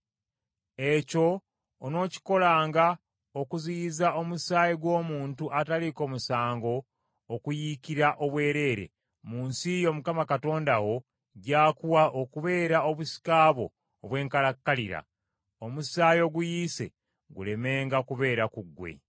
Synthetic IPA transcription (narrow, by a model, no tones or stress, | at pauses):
e̞co̞ː | no̞ːci̥ko̞laːŋɡa | okuziizaʔo̞musaːjiɡwo̞ːmuːntuʔataliko̞musaːŋɡo̞ː | kujikiɾaʔo̞βwe̞ːɾe̞ːɾe̞̰ | muːnsijo̞mukamakato̞ːndawo̞ | ɟaːkuwaʔokuβe̞ːɾaoβusi̥kaːβo̞̰ː | βwe̞ːŋkalakːaliɾa̰ | omusaːjo̞ɡujise̞̰ | ɡṵle̞me̞ːŋɡakuβe̞ːɾakuɡwe̞̰